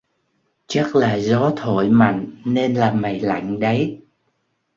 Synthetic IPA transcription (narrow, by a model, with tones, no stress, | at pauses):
t͡ɕa˦˥k̚laː˨˩zɔ˨˦t̪ʰo̰˧˨jma̰˧˨jŋ̟ne˧nlaː˨˩ma˨˩jla̰˧˨jŋ̟ɗə˨˦j